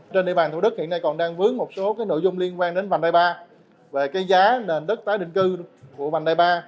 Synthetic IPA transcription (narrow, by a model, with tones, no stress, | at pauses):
t͡ɕe˧nɗḭ˧˨ɓaː˨˩t̪u˧˩ɗɨ˦˥k̚hḭ˧˨ənːa˧jkɔ˨˩nɗaː˧ŋvɨ˨˦əŋmo˨˩t̚so˨˦kaː˨˦jno̰˧˨jzʊ˧ŋ͡mli˧ənkwaː˧ŋɗe˨˦nva˨˩ŋ̟ɗaː˧jɓaː˧ | ve˨˩kaː˨˦jzaː˨˦ne˨˩nɗə˦˥t̚t̪aː˨˦jɗḭ˧˨ŋ̟kɨ˧ku˧˩əva˨˩ŋ̟ɗaː˧jɓaː˧